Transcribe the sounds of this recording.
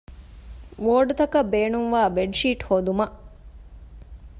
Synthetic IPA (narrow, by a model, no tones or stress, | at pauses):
ʋoːɖut̪ɐkɐbeːnuŋʋaːbeɖʃiːʈhoːd̪umɐʔ